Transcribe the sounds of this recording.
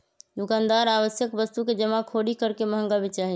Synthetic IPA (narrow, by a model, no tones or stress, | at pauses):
d̪ukand̪aɾaʋəsjəkbəst̪uked͡ʒəmakʰoɽikəɾkeməɦə̃ŋɡabit͡ʃaɦi